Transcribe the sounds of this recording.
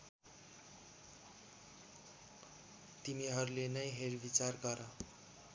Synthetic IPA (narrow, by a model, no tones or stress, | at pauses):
t̪imiɦʌɾulenʌjɦeɾbit͡sarɡʌɾʌ